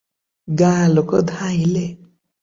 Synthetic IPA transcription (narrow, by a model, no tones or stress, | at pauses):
ɡalokɔd̪ʱaile